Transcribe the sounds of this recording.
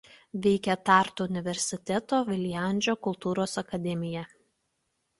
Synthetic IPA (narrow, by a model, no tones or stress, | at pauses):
ʋʲɛɪkʲɛt̪ɑˑɾt̪uʊnʲɪʋʲɛɾʲsʲɪt̪ʲɛt̪oːʋʲɪlʲɪjænʲd͡ʒʲoːkʊlˠt̪uːɾoːsɐkɐd̪ʲɛmʲɪjɛ